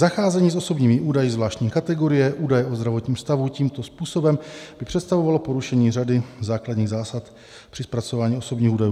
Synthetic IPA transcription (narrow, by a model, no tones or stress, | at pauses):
zaxaːzɛɲiːso̞so̞bɲiːmɪʔuːdajɪzvlaːʃtɲiːkat̪ɛɡoɾɪjɛʔuːdajɛʔo̞zd̪ɾavo̞t̪ɲiːmst̪avuciːmt̪o̞spuːso̞bɛmb̥ɪpr̝̥ɛt̪st̪avo̞valo̞po̞ɾuʃɛɲiːradɪzaːkladɲiːɣzaːsat̪ | pr̥ɪspɾat͡so̞vaːɲiːo̞so̞bɲiːxuːdajuː